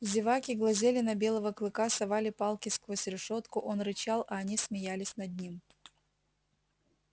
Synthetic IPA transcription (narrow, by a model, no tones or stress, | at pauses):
zʲɪvakʲɪɡlˠɐzʲelʲɪnɐbʲe̞lˠəvəklˠɨkasɐvalʲɪpalˠkʲɪskvosʲɾʲɪʂot̪kʊʔo̞nrɨt͡ɕalˠɐːnʲismʲɪjalʲɪsʲnɐd̪̚ʲnʲim